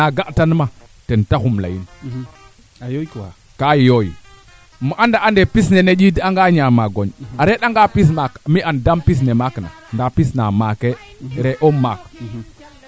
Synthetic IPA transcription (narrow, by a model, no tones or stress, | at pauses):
aɡaʔtanma | tentaxumla̰jin | kajojḭ | muʔandaandepisnened͡ʒidaŋɡaɲamaɡoɲaɾeɗaŋɡapis̬makmiʔandampis̬nemakna̰ndapisnamake | ɾeʔomak